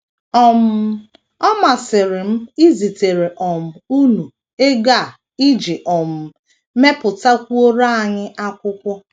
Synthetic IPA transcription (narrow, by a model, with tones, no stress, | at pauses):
ɔ˨m̩˨ | ɔ˦ma˨sɪ˨ɾɪ˨m̩˦i˦zi˨te˨ɾe˨ʔɔ˨m̩˨u˦nu˨ | e˦ɡa˦˨ | i˦d͡ʒɪ˨ʔɔ˨m̩˨ | me˦pʊ˨ta˦kʷu˦o˦ɾa˦a˨ɲɪ˦ʔa˦kʷʊ˦kʷɔ˦